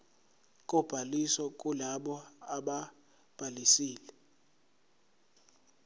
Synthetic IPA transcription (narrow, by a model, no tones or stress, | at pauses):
k̬ʼɔb̥ʱalisɔk̬ʼulaɓɔaɓa | b̥ʱalisiːlɛ